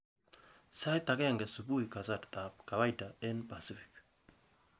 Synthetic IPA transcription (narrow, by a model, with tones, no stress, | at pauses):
sa˦jta˨kɛ˦˨ŋɡɛ˨su˨bu˦ika˨za˦˨ɾt̪a˨pka˨βa˦jda˨e˦npa˨si˦fi̥˨k